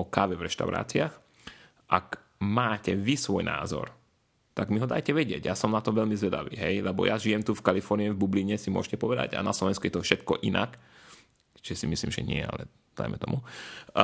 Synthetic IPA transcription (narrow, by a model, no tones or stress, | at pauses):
ɔkaːʋɛvɾɛʃt̪a̰ʊɾa̰ːt͡siax | ʔak | maːcɛʋisʋɔjnʔa̰ːzɔ̰ɾ | t̪aɡmiɦɔd̪ajcɛʋɛɟɪɛɟjaːsɔmnat̪ɔʋɛʎmizʋɛd̪a̰ʋḭːɦɛjlɛbɔ̰jʔaʒijɛmt̪ufkalifɔɾniɛvbubliɲɛsimʊɔ̰ʃcɛpɔʋɛd̪a̰ɟa̰naslɔʋɛnskujɛt̪ɔfʃɛt̪kɔ̰ʔinʔa̰k | t͡ʃɛsimisliːmʒɛ̰ɲɪɛ̰a̰lɛ̰ | d̪a̰jmɛt̪ɔ̰mu